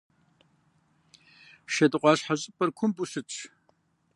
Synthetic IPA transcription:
ʃɐdɨqʷɑːɕħaɕʼɪpʼɐrkʷʰʊmbuɕɨt͡ʃʰʼ

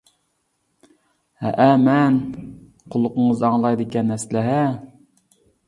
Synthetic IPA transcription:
hɛ̰ʔæmɛn | qʰʊlˠːʊqəɴəzɑŋlˠɑjd̪ɪkʲɛnːɛslɪɦæ

